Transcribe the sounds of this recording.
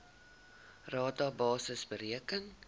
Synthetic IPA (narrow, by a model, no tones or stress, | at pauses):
rɑːtɑbɑːsəsbəɾiəkəŋ